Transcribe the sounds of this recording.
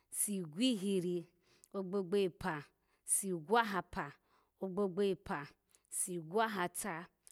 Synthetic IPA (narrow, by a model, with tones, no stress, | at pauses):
si˨ɡʷi˦ɦi˨ɾi˦ | o˦ɡ͡bo˦ɡ͡be˦i˨pa˨ | si˨ɡʷa˦ɦa˨pa˨ | o˦ɡ͡bo˦ɡ͡be˦i˨pa˨ | si˨ɡʷa˦ɦa˨tʰa˦